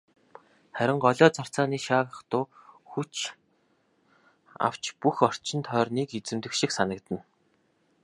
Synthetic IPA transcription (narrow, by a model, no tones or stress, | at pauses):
χæɾʲɪ̆ɴɢɔɮɔːt͡sar̥t͡saːniːʃaːʁə̆χt̪ʊːxut͡ɕ | a̰w̥t͡ɕpuxɔr̥t͡ɕɪ̆nt̪ʰœːrniːket͡sɘ̆mt̪ɘ̆kʃĭksanə̆kt̪ə̆n